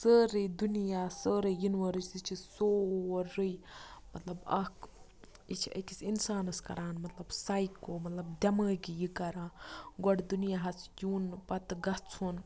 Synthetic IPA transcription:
səːɾəjd̪unijaːsəːɾəjinʋəɾɨt͡ʃt̪it͡ʃʰisoːɾɨjmɐt̪lɐbɐk | it͡ʃʰiɐ̰kisinsaːnɐskɐ̰ɾaːnmɐt̪lɐbsaːjkoːmɐt̪lɐbd̪ʲɐməːɡijikɐɾãːɡɔɽd̪unijaɦɐt͡sʰjuːnpɐt̪ɡɐt͡sʰun

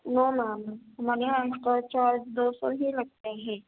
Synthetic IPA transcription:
noːnaːmɦɐmaːɾeɦãʈɔɾt͡ʃaːɾd͡ʒd̪oːsɔɦilɐɡ̚t̪eɦɛ̃ː

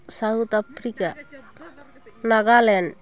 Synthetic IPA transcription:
saut̪apʰɾika | naɡalɛn

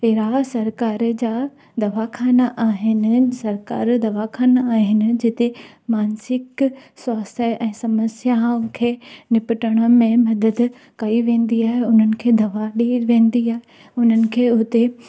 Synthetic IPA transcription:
peːɾasɐɾkaːɾd͡ʑaː | d̪ɐʋakʰaːnaʔaːɦɪnɪ̆sɐɾka̰ːɾd̪ɐʋakʰaːnaaːɦɪnɪ̆d͡ʑɪt̪e | maːnsɪkswaːst̪ʰəʔɛ̃ːsɐməsjaʊkʰeːnɪpɪʈəɽ̃ə̆mẽmɐd̪əd̪ | kɐiʋẽːn̆d̪iaːɦeʊn̤ənɪ̆kʰeːd̪ɐʋaɗiʋẽːn̆d̪iaːɦe | ʊn̤ənɪ̆kʰeːʊt̪e

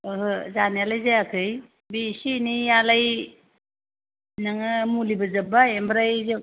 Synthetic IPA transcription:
ɯɦɯzanialajzajakʰɯj | bisinijalaj | naŋɯmulibɯzɐbajembɾajzɯ

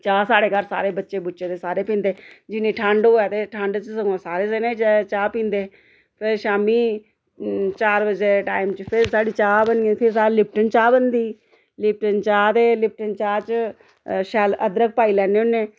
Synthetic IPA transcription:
t͡ʃaːsaːɽeːkəɾsa̰ːɾeːbətːʃeːbʊtːt͡ʃʃeːt̪eːsaːɾeːpĩːnd̪eːd͡ʒɪnːẽːʈʰə̃ɳɖɦoːaːt̪eːʈʰə̃ɳɖt͡ʃsəɡõsaːɾeːseːnẽːt͡ʃt͡ʃaːpĩːnd̪eː | pʰɪɾʃaːmiː | t͡ʃaːɾbəd͡ʒeːʈaːɪmt͡ʃpʰɪɾsaːɖiːt͡ʃaːbəniẽpʰɪɾsaːlɪp̚ʈənt͡ʃaːbənd̪iː | lɪp̚ʈənt͡ʃaːt̪eːlɪp̚ʈənt͡ʃaːt͡ʃ | ʃɛləd̪ɾək̚paːiːlɛːneːʊnːẽː

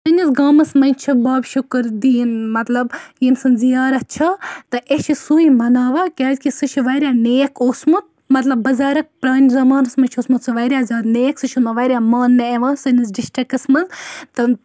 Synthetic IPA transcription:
sɨnisɡaːmɐsmɐnʲt͡ʃʰibaːbʃukɾd̪iːnmɐt̪lɐbjinsɨnzijaːɾɐt͡ʃʰɐt̪ɨʔet͡ʃʰisuːimɐnaːʋɐkʲaːzʲkʲisɨt͡ʃʰuʋɐːɾʲaːneːkʰoːsmut̪̚ | mɐt̪lɐbːɐzaːɾɐk̚pɾaːnʲizɐmaːnɐsmɐnʲt͡ʃʰosmut̪sɨʋɐɾʲaːzʲaːd̪neːksɨt͡ʃʰumɐʋɐɾʲaːmaːnːɐeʋaːnsɨnɐs̬ɖisʈɾikɨsmɐlt̪ɨ

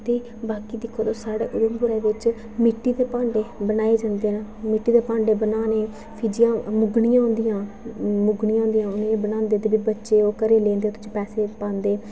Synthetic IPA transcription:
t̪eː | baːkiːd̪ɪkʰːoːd̪oːsaːɽḛːʔʊd̪əmbʊɾɛːʋɪt͡ʃ | mɪʈːiːd̪eːpãːɳɖeːbənaːeːd͡ʒãːnd̪eːnmɪʈːiːd̪eːpãːɳɖeːbənaːneː | pʰiːd͡ʒɪjãːmʊɡnɪjãːɦʊ̃nd̪ijãː | mʊɡnijãːɦʊ̃ːnd̪ijãːʊnẽebənãːnd̪eːt̪eːbiːbətːʃeːoːkəɾeːleːnd̪eːoːt̪ʊ̥t͡ʃʰiːpɛːseːpãːnd̪eː

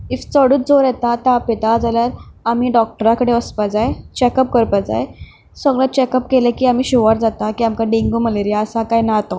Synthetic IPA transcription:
ift͡səɽuːt͡sd͡zoɾɛt̪at̪apet̪ad͡zaljaɾamiːɖɔk̚ʈəɾakəɽeəspad͡zajet͡ɕekəp̚kəɾpad͡za̰j | səɡɭat͡ɕekəpkelekiːam̤iːɕuʋaɾd͡zat̪akiːamkãɖiŋɡuːməleɾijaəsakajnat̪ɔ

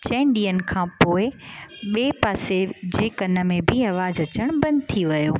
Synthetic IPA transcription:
t͡ɕẽːɳɖiənkʰãːpoːɪɓeːpaːsed͡ʑeːkɐnə̆mẽbʱɪɐʋaːzɐt͡ɕəɽ̃bɐ̃nd̪t̪ʰiʋɐjoː

